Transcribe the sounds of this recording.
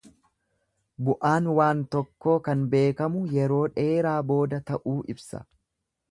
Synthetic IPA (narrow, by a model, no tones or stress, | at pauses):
bʊʔaːnwaːnt̪ɔkːo̞ːkɐnbe̞ːkɐmʊjɛɾo̞ːᶑe̞ːɾaːbo̞ːd̪ɐt̪ɐʔuːʔɪbsɐ̰